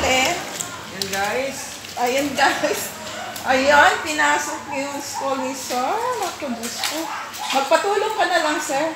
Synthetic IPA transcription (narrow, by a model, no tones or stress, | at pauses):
lɛn | jʊnɡajs | ʔɐjonɡajs | ʔɐjonpɪnaːsok̚niskomisomɐɡ̚t̪obusko | mɐɡ̚pɐt̪uːloŋkɐnɐlɐŋsɛɹ